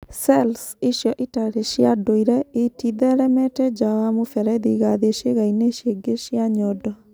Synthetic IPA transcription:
sɛlsiʃjɔʔitaɾeʃjadoiɾɛetiðɛɾɛmɛtɛd͡ʒawamofɛɾɛðiɣaðeʃeɣaineʃjeɡeʃjaɲɔdɔ

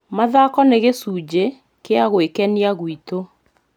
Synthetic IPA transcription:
maðakɔneɣesuːd͡ʑe | keaɣwekɛniaɣwito

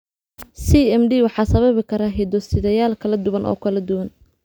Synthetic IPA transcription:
siːɛmd̪iːwɑħɑːsɐβɐβɪkʰɐɾaːɦɛd̪ɔsɪðɐjaːlkʰɐlɐd̪ʊβɐnʔɔ̰ːkʰɐlɐd̪ʊwɐn

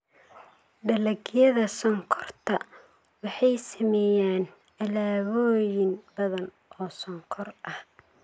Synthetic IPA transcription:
ɖɐlɐɡjɐðɐsɔŋkʰɔrt̪ʰɐ | wɑħɑjsɐmɛjaːn | ʔɐlaːβɔːjɪnbɐðɐn | ʔɔːsɔŋkʰɔrʔɐh

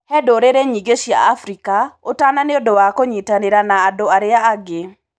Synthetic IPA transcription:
hɛdoɾeɾeɲiɡeʃia̰afɾikaotananeodowakoɲitaneɾanaːdoaɾeaːɡe

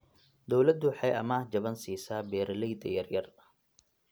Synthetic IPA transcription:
d̪ɔwlɐd̪ʊħɑjʔɐ̰maːhd͡ʒɐβɐnsiːsaːbɛːɾɐlɛjd̪ɐ̰jɐrjɐrɐ

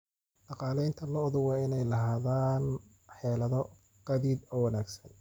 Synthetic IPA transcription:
ɖɑqɑːlɛjnt̪ʰɐlɔðʊwɑːɪnɛjlɐɦaːðaːn | ħɛːlɐðɔ | ɡ̥ɐðid̪ɔːwɑnaːɡsɐn

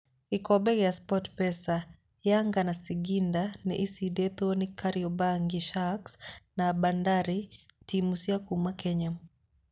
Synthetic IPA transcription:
ikɔɓɛkjaspɔtpɛsa | jaŋɡanasiɡindanɛʔisidɛtɔnikʰaɾiɔbaŋɡiʃaksnabandaɾitimusiakumakɛɲa

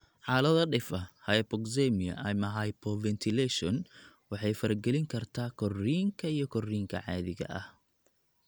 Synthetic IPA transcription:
ħɑːlɐðɐɖɪfɐhɐjpɔkzɛmiɐ̰ʔɐmɐɦɐjpʰɔvɛnt̪ʰɪlɛʃɔn | wɑħɑjfɐɾɐɡɛlɪŋkʰɐrt̪ʰaːkʰɔriːŋkʰɐijɞkʰɔriːŋkʰɐ̰ʕɑːðɪɣɐ̰ʔɐh

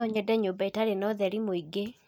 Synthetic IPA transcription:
ɔɲɛdɛɲobaitaɾenɔðɛɾimoiɡe

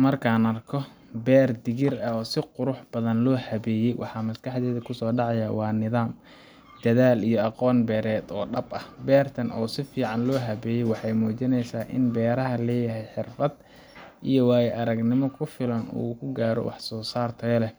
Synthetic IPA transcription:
mɐrkʰaːnɐrkʰɔ | bɛːrd̪ɪɣɪrɐɔːsɪqʊɾʊħb̥ɐðɐnlɔːhɐβɛːjɛjwʔɑ̰ħɑmɐskɑħd̪ɛːðɐkʰʊsɔːɖɑʕɑjawɑːnɪðaːm | d̪̥ɐðaːlijɔɑqɔːnbɛːɾɛːd̪ɔːɖɐbɐhbɛːrt̪ʰɐnʔɔ̰ːsɪfiːʕɑnlɔːɦɐβɛːjɛjwɑħɑjmuːt͡ʃɪnɛjsaːʔɪ̰nbɛːɾɐɦɐlɛːjɐɦɛjħɪrfɐd̪ | ʔijɔwaːjɛʔɐɾɐɡnɪmɔkʰʊfɪlɐnṵːkʰʊɡaːɾɔ̰wɑ̰ħsɔːsaːrt̪ʰɔlɛ

